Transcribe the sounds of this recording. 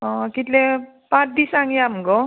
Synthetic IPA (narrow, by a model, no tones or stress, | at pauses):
ɔ̃kit̪le | pãtd̪isaŋjamɡo